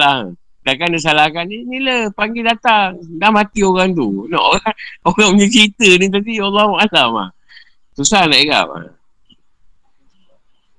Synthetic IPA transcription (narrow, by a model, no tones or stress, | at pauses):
la | dakandəs̬alakaniniləpaŋɡedat̪aŋdamat̪ioɣaŋt̪̬unɔ̰ʔoɣaŋoɣaŋməɲəkɾit̪ənit̪̬apialːaʔalama̰ | susahnaʔiɡa̰